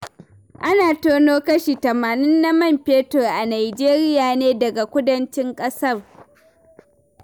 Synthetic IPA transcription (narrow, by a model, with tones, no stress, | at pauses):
ʔa˦naː˨toː˦noː˦kɐ˦ʃi˨tɐ˨maː˨nɪ˦nːa˦mɐ˦˨mpeː˦tʊ˨ʔa˨naː˨jd͡ʒeː˦ɾɪ˦jaː˨neː˦dɐ˨ɡa˨kʷʊ˦dɐ˦nt͡ʃɪ˦ŋkʼɐ˦sɐ˦˨r